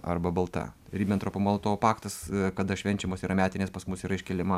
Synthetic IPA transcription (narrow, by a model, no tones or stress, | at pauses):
ɐ̰rbɐbɐlˠt̪ɐ̰ɾʲiːbʲɛnt̪ɾopomoːlˠot̪oːpɑːkt̪ɐskɐd̪ɐʃʲʋʲɛnʲt͡ʃʲɛmoːsiːɾɐmʲæːt̪ʲɪnʲeːspɐsmʊsiːɾɐɪʃʲkʲɛlʲɪmɐ